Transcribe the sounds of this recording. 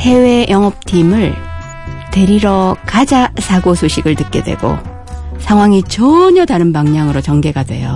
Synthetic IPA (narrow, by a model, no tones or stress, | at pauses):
he̞we̞jʔʌŋʌp̚tʰimɯɭ | te̞ɾiɾʌkad͡ʑasʰaɡosʰoɕʰiɡɯɭtɯt̚k͈e̞̰dwe̞̰ɡo̰ | sʰaŋwaŋit͡ɕʌɲʌtaɾɯnpaŋɲaŋɯɾot͡ɕʌŋɡe̞ɡadwe̞̰jo